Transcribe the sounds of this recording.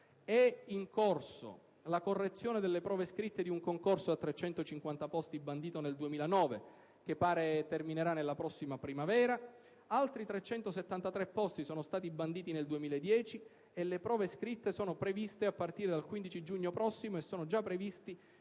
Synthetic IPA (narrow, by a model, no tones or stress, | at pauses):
ɛiŋkorso̰ | lakorːet̪sːjoːned̪elːepɾɔːveskɾit̪ːed̪iuŋkoŋkorsoat̪ːɾet͡ʃːɛnt̪ot͡ʃiŋkwant̪apɔst̪iband̪iːt̪oneld̪uemiːlanɔːve | k̟epːaːɾet̪ermineɾanːelːapɾɔsːimapɾimavɛːɾa | alt̪ɾit̪ɾet͡ʃːɛnt̪oset̪ːant̪at̪ɾɛpːɔst̪isoːnost̪aːt̪̬iband̪iːt̪ineld̪uemiːlaed̪ːjɛːt͡ʃi | elepɾɔːveskɾit̪ːesoːnopɾevist̪eapːart̪iːɾed̪alkwind̪it͡ʃid͡ʒuɲːopɾɔsːimoesːoːnod͡ʒapːɾevist̪i